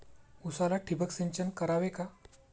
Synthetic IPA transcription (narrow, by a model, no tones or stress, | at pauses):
usalaʈʰibəkseɲt͡ɕənkəɾaʋeka